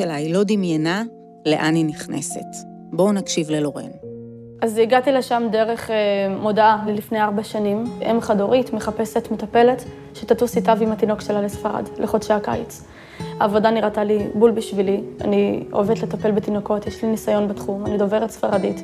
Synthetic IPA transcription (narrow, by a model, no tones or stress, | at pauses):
elailo̞d̪imjena | leʔaniniχnḛset | bo̞nakʃivlelo̞ʁḛn | ʔaziɡatileʃamde̞ʁe̞χmo̞daalelifnejaʁbaʃanimʔemχadoʁitmeχape̞se̞tmetape̞le̞t | ʃetatusitavimatino̞kʃelalesfaʁa̰dleχodʃaaka̰jt͡s | a̰ːvodaniʁatalibulbiʃvilia̰nioeet̪letape̞lbetino̞ko̞tjeʃlinisajo̞nbetχumanido̞veʁetsfaʁadit